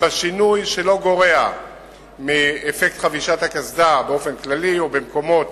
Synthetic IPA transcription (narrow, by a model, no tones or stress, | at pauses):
baʃinujʃe̞lo̞ɡo̞ʁe̞a | miefek̚t̪χaviʃathakazdabeo̞fe̞nklaliobemko̞mo̞t̪